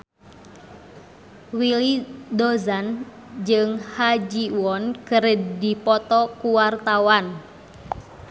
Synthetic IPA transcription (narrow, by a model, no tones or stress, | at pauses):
wilidɔzan | d͡ʒɨŋhad͡ʒiwɔnkəɾəddipɔt̪ɔkuwart̪awan